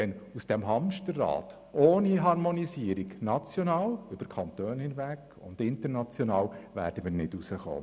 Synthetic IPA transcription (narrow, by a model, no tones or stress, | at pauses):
ɛnusd̥ɛmɦɑmʃtərːɑ̰ːt | oːniɦɑɾmɔnisiəɾiɡnɑt͡sjonɑːlʏb̥əɾkʰɑnt̪øːnhɪnʋæk | ʊ̰ndɪntəɾnɑt͡sjɔnɑːwʋæ̰ːɾd̥əmiːɾnɪdusəχo̰ː